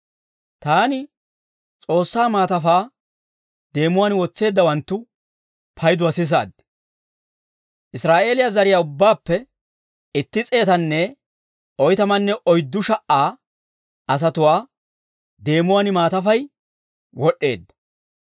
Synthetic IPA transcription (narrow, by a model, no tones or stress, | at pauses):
t̪aːnɪ | t͡sʼo̞ːsːaːmaːt̪ɐfaː | d̪e̞ːmʊwaːnwɔt͡sːe̞ːd̪ːɐwɐnt̪ːʊ | pʰɐjd̪ʊɐsɪs̬a̰ːd̪̚ | ʔɪsɾaːʔe̞ːlɪjazɐɾɪjaːʊbːaːpːɛ | ɪt̪ːɪt͡sʼe̞ːt̪ɐnːɛ | ɔjt̪ɐmɐnːɛʔɔjd̪ːʊʃɐʔaː | ɐs̬ɐt̪ʊwaː | d̪e̞ːmʊwaːnɪmaːt̪ɐfɐj | wɔɗːe̞ːd̪ːɐ